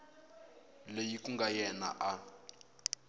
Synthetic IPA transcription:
lejikʼuŋɡajɛna̰ʔa

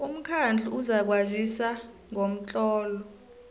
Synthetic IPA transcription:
um̩kʰand͡ɮʱuuzak̬wazisa | ŋom̩t͡ɬʼɔːlɔ

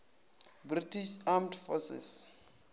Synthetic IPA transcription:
britiʃamtfɔsɛ̰s

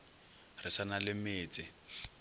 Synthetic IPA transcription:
rɪsanalɪmeːt͡sʼɪ

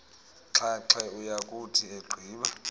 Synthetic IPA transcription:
ǁʰaǁɛujakʼutʰieɡ͡ǃʱiːɓa

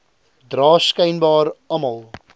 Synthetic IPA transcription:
drɑːskəjnbɑːrɐmɐlˠ

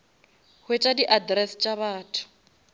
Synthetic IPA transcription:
hwet͡ʃʼadiʔadrɛst͡ʃʼaβaːtʰʊ̥

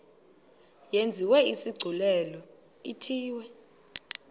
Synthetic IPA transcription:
jend͡zʱiwɛisiɡ͡ǀʱulɛlɔ | itʰiːwɛ

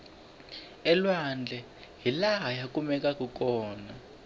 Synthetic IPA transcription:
ɛlwand͡ɮʱɛ | ɦilaɦajakʼumɛk̬ʼak̬ʼuk̬ʼɔːna

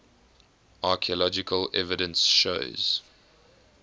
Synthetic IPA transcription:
ʔaːˑkʰiəlɔd͡ʒɪkʰəlɛvɪdə̃nsʃo̰ʊz̥

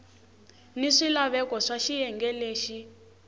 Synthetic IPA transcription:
niʂilaβɛkɔʂaʃijɛŋɡɛleːʃi

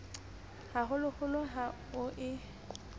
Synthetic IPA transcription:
haɦʊlʊχʊlʊɦa | ʊʔɪ

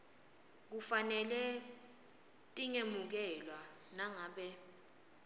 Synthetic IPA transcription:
k̬ufanɛlɛ | tʼiŋemuk̬ɛlwanaŋaːɓɛ

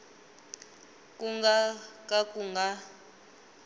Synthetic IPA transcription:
kʼuŋɡakʼakʼuŋɡa

